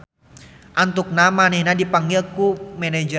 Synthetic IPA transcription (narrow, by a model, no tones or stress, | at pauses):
ʔant̪ʊk̚namanɛnadipaŋɡɪlkumɛnɛd͡ʒə